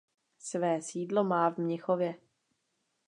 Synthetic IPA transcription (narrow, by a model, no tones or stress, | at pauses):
svɛːsiːdlomaːvmɲɪxovjɛ